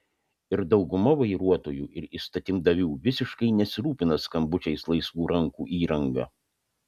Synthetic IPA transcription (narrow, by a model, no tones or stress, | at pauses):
ɪɾd̪ɒʊɡʊmɐʋɐɪɾuɔt̪oːjuːʔɪɾiːst̪ɐt̪ʲɪmd̪ɐʋʲuːʋʲɪsʲɪʃkɐɪnʲɛsʲɪɾuːpʲɪnɐskɐmbʊt͡ʃʲɛɪslˠɐɪsʋuːɾɐŋkuːʔiːɾɐŋɡɐ̰